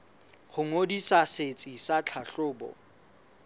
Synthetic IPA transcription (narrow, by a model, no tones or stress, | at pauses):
χʊŋodisaset͡sʼisat͡ɬʰaɬʊːbɔ̰